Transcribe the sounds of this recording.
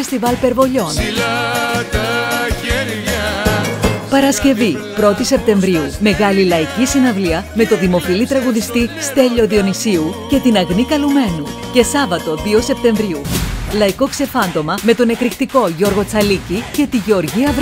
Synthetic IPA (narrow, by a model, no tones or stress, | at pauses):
est̪ivɐlpe̞ɾvo̞ʎo̞n | pɐɾɐsce̞vipɾo̞t̪ise̞p̚t̪e̞ɱvɾiume̞ɣɐlilɐicisinɐvliɐme̞t̪o̞ðimo̞filit̪ɾɐɣuðist̪ist̪e̞ʎo̞ðio̞nisiuce̞t̪inɐɣnikɐlume̞nu | ce̞sɐvɐt̪o̞ðio̞se̞p̚t̪e̞ɱvɾiulɐiko̞kse̞fɐnd̪o̞mɐme̞t̪o̞ne̞kɾikt̪iko̞ʝo̞ɾɣo̞t͡sɐlicice̞t̪iʝeo̞ɾʝiɐv